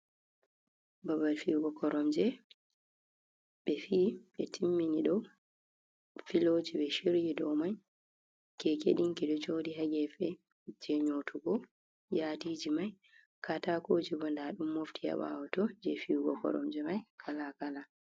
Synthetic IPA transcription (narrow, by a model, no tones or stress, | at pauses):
babalfiwɡɔkʰɔɾɔmd͡ʒɛ | ɓɛfiːɓɛtʰimːiniɗɔw | filoːd͡ʒibɛʃiɾjidɔwmaj | kɛkḛɗiŋkɛdɔt͡ʃoːdiɦaɡɛfɛ | d͡ʒɛɲotʰuɡɔ | jaːtiːd͡ʒimaj | kʰatakod͡ʒiɡɔndaɗumːoftʰija̰ɓa̰wɔtɔd͡ʒɛfiwɡɔ̰kɔ̰ɾɔ̰md͡ʒɛmajkʰalakala